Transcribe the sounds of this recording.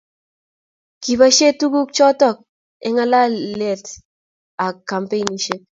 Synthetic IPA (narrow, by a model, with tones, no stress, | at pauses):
ki˨ba˦ʃe˦tu˦ɡu˦kt͡ʃɔ˦tɔ˦k̚ | ɛ˦ŋa˦la˦le˨t | a˨ka˨mpe˦ni˨ʃɪ˦p̚